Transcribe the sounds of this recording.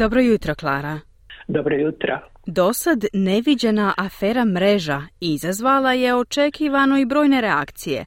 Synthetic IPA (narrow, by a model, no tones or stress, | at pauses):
d̪obɾojut̪ɾoklˠaːɾa | d̪obɾojut̪ɾo | d̪o̞sad̪ne̞ʋid͡ʑenaʔafeːɾamɾe̞ʒaizazʋalˠaje̞o̞t͡ʃe̞kiːʋano̞ibɾo̞ːjne̞ɾeakt̪sije̞̰